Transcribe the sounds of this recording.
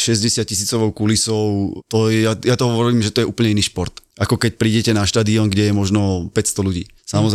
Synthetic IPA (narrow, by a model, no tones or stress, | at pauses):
ʃɛzɟɛsɪat̪̚cisiːt͡sɔʋɔʊkulisɔʊt̪ɔjɛjajat̪ɔɦɔʋɔɾɾiːmʒɛt̪ɔjɛʔuːplɲɛiniːʃpɔɾt̪ʔakɔkɛc̚pɾiːɟɛcɛnaʃt̪aːd̪iɔŋɡɟɛjɛmɔʒnɔpɛcst̪ɔluɟḭː | samɔz